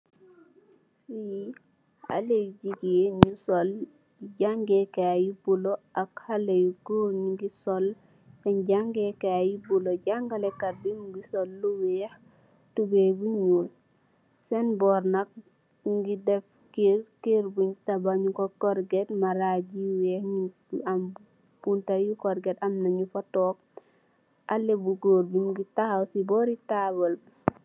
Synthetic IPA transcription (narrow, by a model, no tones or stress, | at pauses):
iji | a̰leɟiɡijeɲusɔl | ɟaŋɡekaajibuloakhalejuɡuɲɡisɔl | tɛnɟaŋɡekeajibuloɟaŋɡalekaɾbiŋɡisɔlːuweh | tubebuɲul | sɛnbɔɾnak̚ | ɡidɛf | keɾkeɾbuɲtabaɲukokɔɾɡetmaɾaɟiwɛhɲi | am | b̥untajukɔɾɡetamnaɲufatɔːk̚ | ʔalːebuɡoːɾbimɡitahawsibɔːɾitabɔl